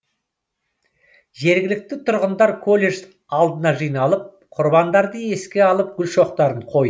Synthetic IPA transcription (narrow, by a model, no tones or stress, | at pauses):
ʒe̞ɾɡʲɪlɪk̚t̪ɪt̪ʰʊɾʁənd̪ɑɾkʰolʲe̞ʒ | ɑlˠd̪ənɑʒijnɑlˠəp̚ | qʰʊɾbɑnd̪ɑɾd̪əe̞skʲe̞ɑlˠəp̚ɡʲʏlʃo̞qt̪ɑɾəɴqʰo̞j